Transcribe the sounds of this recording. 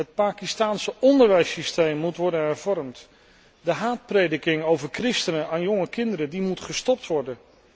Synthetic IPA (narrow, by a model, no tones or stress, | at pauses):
ɦət̚paːkistaːnsəɔndəɹʋɛjsistejmːutʋɔɹdənɦɛɹvɔɹmt | dəɦaːt̚prejdəkɪŋowvəɹkrɪstənəaːnjɔŋəkɪndəɾədimutχəstɔp̚tʋɔɹdən